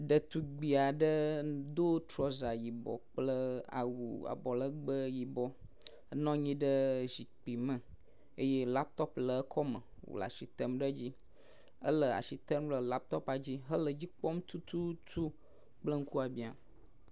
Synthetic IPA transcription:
ɖə˨t̪u˨ɡ͡bi˨a˨ɖə˦d̪o˦t̪ɾɔ˦za˨ji˨bɔ̰˨k͡plə˦a̰˨wṵ˨a̰˨bɔ˨lə˦ɡ͡bə˦ji˨bɔ˦ | ə˦nɔ̃˦ɲĩ˦ɖə˦zi˨k͡pi˨mə̃˨ | e˦je˦la˦p̚t̪ɔ˦plə˨ə˦kʰɔ˦mə̰˨ | wo̰˨la̰˨ʃi˨t̪ə˦mɖə˦d͡ʑi˦ | ə̰˦lə˨a̰˨ʃi˨t̪ə˦mlə˨la˦p̚t̪ɔ˦pa˨d͡ʑi˦ɦə˦lə˨d͡ʑi˦k͡pɔ˦m˦t̪u˦t̪ʰu˦t̪ʰu˦ | k͡plə˦ŋ̩˦ku˦a˨bi˨a˨

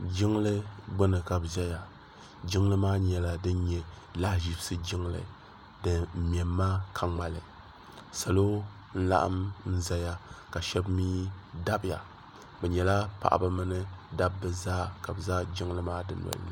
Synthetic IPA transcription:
d͡ʒɪ˦ŋ˦lɨ˦ɡ͡bɨ˦nɨ˨ka˨bʒa˦ja˨ | d͡ʒɪ˦ŋlɨ˦maː˦ɲɛ˨la˨dɨ˦n˦ɲɛ˨ | la˦hʒi˨bsɨ˦d͡ʒɪ˦ŋlɨ̰˨ | dɨ˦m̩˦m˨ɛ˨mː˦aː˦kʰa˦ŋ͡ma˨lɨ˨ | sa˨lo˦ | n̩˦la̰˦ʔa̰˦mn̩˦za˦ja˦ka˨ʃɛ˦bmiː˦da˦bja̰˨ | bɛ˨ɲɛ˨la˦pa̰˨ʔba˦mɨ˦nɨ˦da˦bːɨ˦zaː˦ka˨bzaː˦d͡ʒɪ˦ŋ˦lɨ˦maː˦dɨ˦nɔ̰˨l̰nɨ˦

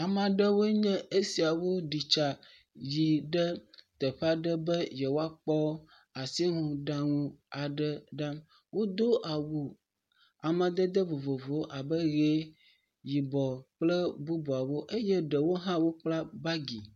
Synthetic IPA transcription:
a˨mã˨ɖə˦wo˦ɲə̃˦e˦si˨a˨wo˦ɖi˨t͡ʃa˨ | ji˨ɖə˦t̪ə˨ɸa˦ɖə˦bə˦jɛ˨wo˦a˦k͡pɔ˦ | a˨si˦ŋũ˨ɖã˦ŋũ˦a˨ɖə˦ɖã˦m | wo˦d̪o˦ʔa˨wu˨ | a˨mã˨d̪ə˦d̪ə˦vo˨vo˨vo˨˦ʔa˨bə˦ɣe˦ | ji˨bɔ˨k͡plə˦bu˦bu˨a˨wo˦ʔe˦jɛ˦ɖə˨wo˦ɦã˦wo˦k͡pla˦ba˦ɡi˨

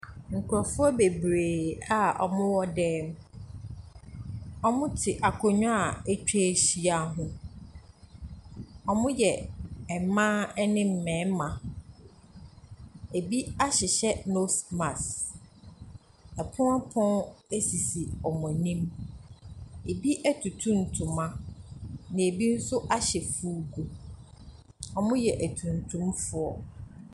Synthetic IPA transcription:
ŋ̩˨kʰu˨ɾɔ˨fʊ˦ɔ˦be˨bɾeː˨a˨ʔɔ̰˨mʊ̃˦wɔ˦dɛː˦m | ɔ˦mʊ̃˦tʰɪ˨ʔa˨kʰʊ˨ɲᶣʊ̃˦a˨e˦t͡ɕᶣe˦ɕi˨a˨ɦʊ̃˦ | ɔ˨mʊ̃˦jɛ˨ɛ˨mã˦ɛ˦nɪ̃˦m̩˦mɛ̃ː˨˦mã˨ | e˨bi˦a˦ɕɪ˨ɕɛ˦no˦smã˨s | ɛ˨pʰʊ̃˦a˦pʰɔ̃˦æ˦si˨si˨ɔ˨mʊ̃˨nĩ˦m | e˨bi˦ʔæ˦tʰu˨tʰũ˦n̩˨tʰʊ̃˨mã˦ | nɪ̃˨e˨bi˦n̩˦sʊ˦ʔa˦ɕɛ˨fu˦ɡu˨ | ɔ˨mʊ̃˦jɛ˨ʔæ˨tʰũ˨n˨tʰũ˦mfʊ˦ɔ˨

